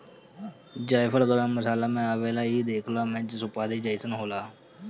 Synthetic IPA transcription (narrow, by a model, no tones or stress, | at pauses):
d͡ʒaːjfʰəɽɡəɾaməsaːlamẽaːʋeːlaiːd̪eːkʰlaːmẽːd͡ʒɪsʊpaːd̪id͡ʒaːɪsənɦoːlaː